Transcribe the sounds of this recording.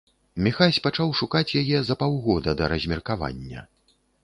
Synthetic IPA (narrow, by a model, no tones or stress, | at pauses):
mʲixasʲpat͡ʂawʂukat͡sʲjajɛzɐpawɣɔd̪ɐd̪ɐɾɐzʲmʲɛrkava̰nʲːɐ̰